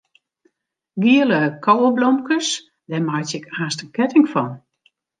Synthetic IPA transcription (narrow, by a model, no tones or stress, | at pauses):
ɡiələkʰɔwəblɔmkəs | dɛmajtɪkaːstəkɛtɪŋfɔn